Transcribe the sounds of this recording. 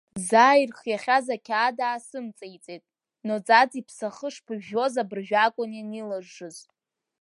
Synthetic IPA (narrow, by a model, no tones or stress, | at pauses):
zaːjrχjaχʲazakʲʰaːdaːsɨmt͡sʼejt͡sʼetʼ | not͡sʼad͡zipʰsaχəʂpʰɨʒo̞zabɨrʒᶣakʷʼʊnjanilaʐːɨzʼ